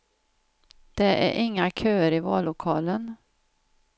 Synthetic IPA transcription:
d̪̥ɛʔæ̰ɾʔɪŋːakʰøːəɾɪvɑːlʊkʰɑːlən

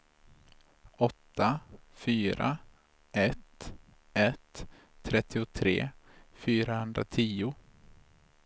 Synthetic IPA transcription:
ɔt̪ːafyːɾʔa̰ | ɛt̪ | ɛt̪ʰː | ɾɛt̪ʰːɪʊt̪ʰɾḛːfyːɾahɵnd̪ɾa̰t̪ʰiːʊ

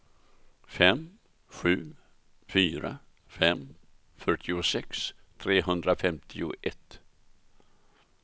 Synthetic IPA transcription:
fɛm | ɧʉ̟ː | fyːɾa̰ | fɛm | fœʈʰɪʊsɛkst̪ʰɾeːɦɵnd̪ɾafɛmt̪ʰɪʊʔɛt̪

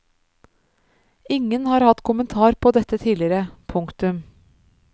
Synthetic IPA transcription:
ɪŋənhɑːɾhɑt̪kʰʊmənt̪ʰɑːɾpʰoːd̪ɛt̪ət̪ʰiːlɪɾəpʰʊŋkt̪ʉm

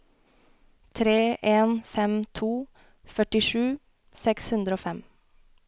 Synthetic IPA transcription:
t̪ʰɾeːʔeːnfɛmt̪ʰuː | fœʈɪʃʉː | sɛkshʉnd̪ɾəoːfɛm

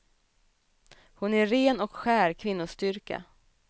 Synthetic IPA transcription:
hʊnæɾeːnɔkɧæːɾkʰvɪnːʊst̪ʏɾka̰

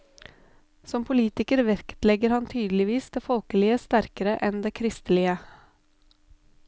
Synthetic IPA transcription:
sɔmpʰʊliːt̪ɪkəɾʋɛɾkt̪lɛɡəɾhɑnt̪ʰyːd̪lɪʋiːsd̪eːfɔlkəlɪəst̪æɾkəɾəʔɛnd̪eːkʰɾɪst̪əlɪə

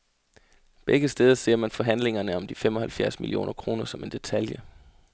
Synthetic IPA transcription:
b̥eɡ̥əsd̥eːð̞ˠɐse̝ɐ̰mænfɒ̽ɦæn̰le̝ŋɐnəɒ̽md̥ifem̰ɒ̽hælfjæɐ̰smḭlio̝̰ːnʔɐkʰʁo̝ːnɐsɒ̽me̝nd̥e̝t͡sʰæljə

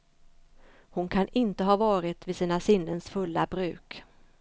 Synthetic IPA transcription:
hʊnkʰanɪnt̪əɦɑːvɑːɾɪt̪vɪsiːnasɪnːənsfɵlːabɾʉ̟ːk

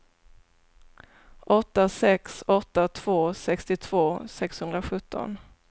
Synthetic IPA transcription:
ʔɔt̪ːasɛksɔt̪ːat̪ʰv̥oːsɛkst̪ɪt̪ʰv̥oːsɛkshɵnd̪ɾaɧɵt̪ʰːɔ̰n

